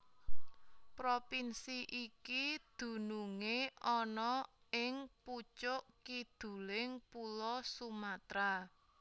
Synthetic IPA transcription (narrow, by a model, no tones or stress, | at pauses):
pɾopinsiʔikid̪̥ṳnuŋeɔnɔɪŋput͡ʃʊʔkid̪̥ṳlɪŋpulɔsumat̪ɾa